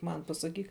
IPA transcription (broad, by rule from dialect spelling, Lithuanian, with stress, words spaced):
ˈmɐn pɐsɐˈkʲiːk